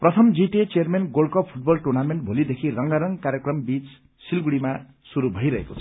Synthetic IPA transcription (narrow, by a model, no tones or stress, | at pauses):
prʌt̪ʰʌmd͡ziʈet͡seʌrmenɡolkʌppʰuʈ̚bʌlʈurnameɳʈ̚bʱolid̪ekʰirʌŋɡaɾʌŋkaɾjekrʌmbit͡s | silɡuɽima | suɾubʱʌjɾʌɦḛkot͡sʰʌ